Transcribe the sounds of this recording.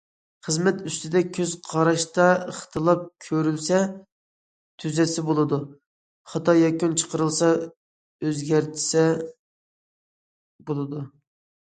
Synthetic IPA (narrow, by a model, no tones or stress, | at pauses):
χəzmɛt̪yst̪ɪd̪ɛkʲʰøz̥qʰɑɾɑʃt̪ɑəχt̪ʰɨlˠɑp̚kʲʰøɾylsɛ | t̪ʰyzɛsɪbolˠɨd̪u | χɑt̪ɑjɑkʲynt͡ʃʰə̥qʰəɾɨlˠsɑ | øzɡʲæɾt̪ʰɪ̥sɛ | bolˠɨd̪u